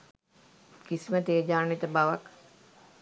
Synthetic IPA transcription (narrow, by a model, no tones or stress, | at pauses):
kisimət̪ejəd͡ʒaːnit̪əbaʋak